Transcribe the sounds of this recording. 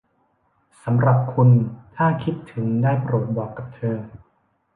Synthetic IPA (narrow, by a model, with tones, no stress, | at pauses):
sa˩˦mɾa˨˩p̚kʰu˧nt̪ʰaː˥˩kʰi˦˥t̪ʰːɯ˩˦ŋdaː˥˩jpɾoː˨˩t̪̚bɔː˨˩kːa˨˩p̚t̪ʰɤː˧